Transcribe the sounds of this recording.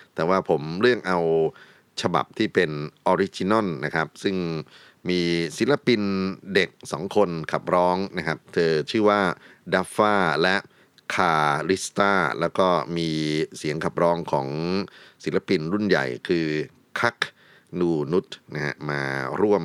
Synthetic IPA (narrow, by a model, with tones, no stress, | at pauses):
t̪ɛː˨˩waː˥˩pʰo˩˦mɾɯ˥˩əŋʔa˧w | t͡ɕʰa˧ba̰˨˩p̚t̪ʰiː˥˩pe˧nʔɔː˧ɾi˦˥t͡ɕi˧nɔ˥˩nːa˦˥kʰa˦˥p̚sɯ˥˩ŋ | miː˧si˨˩˦nla˧pi˧nde˨˩k̚sɔ̰ː˩˦ŋkʰo˧nkʰa˨˩p̚ɾɔː˦˥ŋna˦˥kʰa˦˥p̚t̪ʰɤː˧t͡ɕʰɯː˥˩waː˥˩da˦˥faː˥˩lɛ˦˥ʔ | kʰaː˧ɾi˦˥st̪aː˥˩lɛː˦˥wkɔː˥˩miː˧si˨˩˦əŋkʰa˨˩p̚ɾɔː˦˥ŋkʰɔ̰ː˩˦ŋsi˨˩˦nla˧pi˧nɾu˥˩nja̰˨˩jkʰɯː˧ | kʰa˦˥k | nuː˧nu˦˥t̪̚na˦˥ha̰˦˥maː˧ɾu˥˩əm